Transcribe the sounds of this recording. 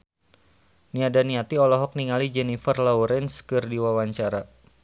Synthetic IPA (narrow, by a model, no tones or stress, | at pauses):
niadaniat̪iɔlɔɦɔk̚niŋalid͡ʒɛnifərlɔwɾɛnskɨrdiwawaɲt͡ʃaɾa